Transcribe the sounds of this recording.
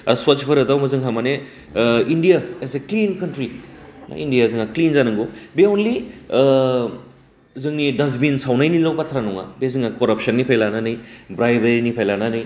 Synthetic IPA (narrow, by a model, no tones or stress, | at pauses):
ɐswat͡ʃpʰɐɾɐdawmɐzɯŋɦamane | indijaeseklinkɐntɾina̰indijazɯŋaklinzanɯŋɡobeonli | zɯŋnidɐzminsawnajnilawbatʰɾanuŋa̰bezɯŋakɔɾɐp̚sɐnːipʰajlananɯjbɾajbeɾinipʰajlananɯj